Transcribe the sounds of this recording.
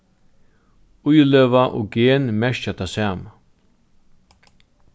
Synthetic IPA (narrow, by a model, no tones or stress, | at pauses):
ʊjløːvaʔɔ̰ɡeːnmɛʃt͡ʃat̪ʰasaːma